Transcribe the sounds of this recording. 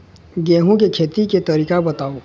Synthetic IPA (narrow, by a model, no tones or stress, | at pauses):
ɡeːɦũkekʰeːt̪iket̪ɐɾiːkabɐt̪aːo